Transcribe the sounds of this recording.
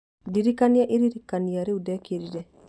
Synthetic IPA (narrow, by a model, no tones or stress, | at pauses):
diɾikaniaʔeɾiɾikaniaɾeudɛkeɾiɾɛ